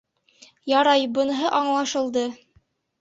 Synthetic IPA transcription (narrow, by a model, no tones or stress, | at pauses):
jɑɾɑjbɤ̆nɦɤʔɑɴlˠɑʃɤ̆lˠd̪ɤ